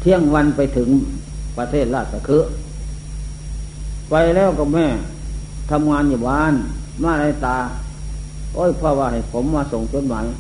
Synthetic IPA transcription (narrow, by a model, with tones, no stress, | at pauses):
t̪ʰi˧˨ə˨ŋwa˧npa˧jt̪ʰɯ˨˦ŋpa˧t̪ʰeː˥˩t̪̚laː˧˩t̪̚sa˧kʰɯ˧˥ʔ | pa˧jlɛː˧˥˩wkɔ˧˩mɛː˧˩˨t̪ʰa˧mŋaː˧nju˧˩baː˧˨nmaː˧˥˨la˧˩t̪aː˧ | ʔoː˧˥˨jpʰɔː˧˨waː˧ha˨˩jpʰo˨˦mːaː˧so˨˩˦ŋt͡ɕo˧˥˦t̪̚maː˨˦j